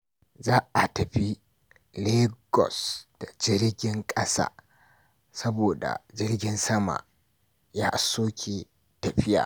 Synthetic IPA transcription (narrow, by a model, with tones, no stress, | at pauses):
zaː˦ʔa˨tɐ˨ɸi˦ | leː˦ɡɔ̰˨sd̥a˨d͡ʒɪ˦ɾɡʲɪ˦ŋkʼɐ˦sa̰ː˦˨ | sɐ˦boː˨da̰˨d͡ʒɪ˦rɡʲɪ˦nsɐ˦ma̰˨ | jaː˦ʔa˦sːoː˦kʲʰeː˨ | tɐ˨ɸɪ˦ja̰ː˨